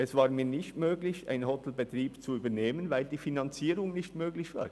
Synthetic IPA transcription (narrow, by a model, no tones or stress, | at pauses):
ʔɛsv̥aːɾmiːnɪçtmøːɡlɪça̰ɪnhɔt̪l̩bɛt̪ɾiːbt͡suyːbəneːmənvaɪldiːfinɑnt͡siːɾʊŋnɪçtmøːɡlɪçv̥a̰ːɾ